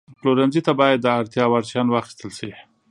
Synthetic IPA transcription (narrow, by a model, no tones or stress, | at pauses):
ploɾanzit̪abɑjad̪ːəaɾt̪jɑwaɾt͡ʃjɑnwɑxi̥st̪əlʃi